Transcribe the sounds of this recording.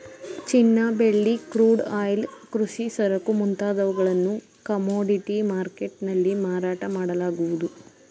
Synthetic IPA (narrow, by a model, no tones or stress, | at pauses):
t͡ʃinːɐbe̞ɭːikɾuːɖaːjlkɾuʂisɐɾɐkumunt̪aːd̪ɐʋɐɡɐɭɐnːu | kɐmoːɖiʈimaːɾkeʈnɐlːimaːɾaːʈɐmaːɽɐlaːɡuʋud̪u